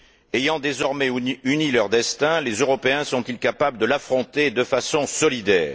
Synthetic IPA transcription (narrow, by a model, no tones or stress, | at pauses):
ejɑ̃d̪ezɔʁmɛynilœʁd̪ɛst̪ɛ̃lezøʁɔpeɛ̃sɔ̃t̪ilkapabləd̪əlafχɔ̃t̪ed̪əfasɔ̃sɔlid̪ɛːʁ